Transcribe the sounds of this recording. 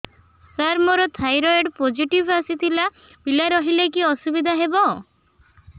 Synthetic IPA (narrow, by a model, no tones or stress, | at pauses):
saɾmɔɾɔt̪ʰajɾɔeɖpod͡ʒiʈibasit̪ʰila | b̥ilaɾɔɦilekiɔsubid̪ʱaɦebɔ